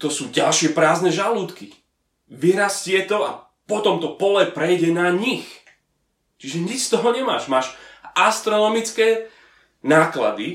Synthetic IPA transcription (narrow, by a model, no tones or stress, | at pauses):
t̪ɔsuːɟalʃɪɛpɾaːznɛʒaluːt̪ki | ʋiɾascɪɛt̪ɔa̰ | pɔt̪ɔmt̪ɔpɔlɛpɾɛjɟɛnaɲix | t͡ʃiʒɛɲit͡ʃst̪ɔɦɔɲɛmaːʃmaːʃʔast̪ɾɔnɔmit͡skɛː | naːkla̰d̪i